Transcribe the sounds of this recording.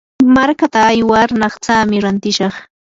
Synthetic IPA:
maɾkat̪aːjwaɾnɑχt͡saːmɪɾant̪ɪʃɑχ

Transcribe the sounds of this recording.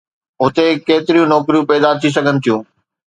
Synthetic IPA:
ʊt̪ekeːt̪ɪɾijũnɔːkɾijũpɛːd̪at̪ʰis̬ɐɡʱənɪ̆t̪ʰijũː

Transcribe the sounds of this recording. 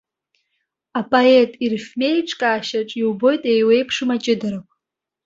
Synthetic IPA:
apʼoetʼirfʲme̞jʈ͡ʂʼkʼaːʃaʈ͡ʂʼiwbo̞jtʼejwe̞jpʰʂɨmat͡ʃʼɪdɨrɨpʷʼ

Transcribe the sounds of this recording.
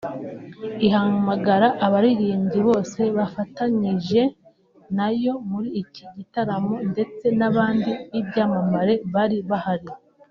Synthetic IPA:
iɦamaɡaɾaʔaβaɾiɾiːɲɟiβo̞ːse̞βafataɲiʒe̞ | najo̞muɾiːciɟitaɾamo̞nde̞t͡se̞naβaːndiibɟaːmamaɾe̞βaɾiβahaɾi

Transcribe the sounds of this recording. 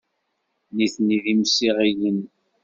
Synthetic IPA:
niθniðimsiʁijən

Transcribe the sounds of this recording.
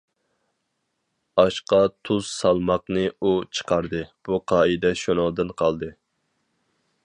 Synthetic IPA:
ɑʃqɑt̪ʰuz̥sɑlˠmɑqnɨut͡ʃʰə̥qʰɑɾd̪ɨb̥uqʰɑːid̪ɛʃonɑlˠd̪ɨnqʰɑlˠd̪ɨ

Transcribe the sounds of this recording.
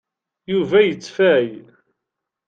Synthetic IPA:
juvæjət͡sːfæj

